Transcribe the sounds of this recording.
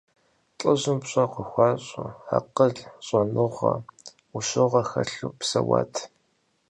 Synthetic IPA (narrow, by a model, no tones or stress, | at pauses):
t͡ɬʼəʑɨmpɕʼɐqʷəxʷɑːɕʼʊħaqəɮɕʼɐnɨʁɐ | uʃɨʁɐxɐɬuːpsɐwa̰ːtʰ